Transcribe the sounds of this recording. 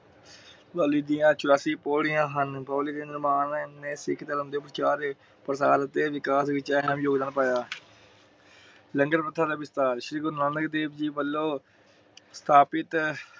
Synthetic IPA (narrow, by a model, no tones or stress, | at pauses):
paːliːd̪ijãːt͡ʃʊɾaːsiːpoːɽɪjãːɦənboːliːd̪eːnɪɾmaːnnːẽːsɪkʰt̪ələmd̪eːpːəɾt͡ʃaːɾe | pəɾsaːlət̪eːʋɪkaːsɪt͡ʃaːnãːmijoːɡd̪aːnpaːjaː | ləŋɡəɾpət̪ʰːaːd̪aːbɪst̪aːɾʃɾiːɡʊɾnãːnəkd̪eːbd͡ʒiːbəlːoː | st̪ʰaːpɪt̪